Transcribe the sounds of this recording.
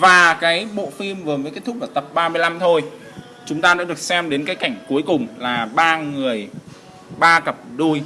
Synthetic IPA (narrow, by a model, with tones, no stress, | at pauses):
vaː˨˩kaː˨˦jɓo̰˧˨fi˧mvɨ˨˩məː˨˦ke˦˥t̪ʰʊ˦˥aː˨˩t̪ə˨˩p̚ɓaː˧mɨ˧əjla˧mt̪ʰo˧j | t͡ɕʊ˨˦ŋ͡mt̪aː˧ɗa̰ː˧˥ɨ˨˩ək̚sɛ˧mɗe˨˦nkaː˨˦jka˧˩jŋ̟ku˨˦əjkʊ˨˩ŋ͡mlaː˨˩ɓaː˧ŋɨ˨˩əj | ɓaː˧kə˨˩p̚ɗu˧j